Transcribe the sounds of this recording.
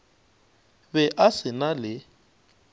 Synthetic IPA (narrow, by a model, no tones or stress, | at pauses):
bɛʔasɪnalɪ